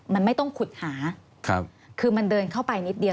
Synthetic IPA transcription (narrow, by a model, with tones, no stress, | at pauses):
ma˧nma˥˩jt̪ɔ˥˩ŋkʰu˨˩t̪̚haː˩˦ | kʰa˦˧p̚ | kʰɯː˧ma˧ndɤː˧nkʰa˥˩wpa˧jni˦˥t̪̚di˧ə